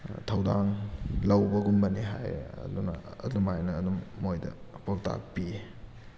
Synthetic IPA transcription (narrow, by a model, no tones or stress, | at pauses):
tʰɐwdaŋlɐwbɐɡumbɐniɦa̰jɐ̰dunɐ̰ːdumajnɐːdumːojdɐ̰pawta̰k̚pi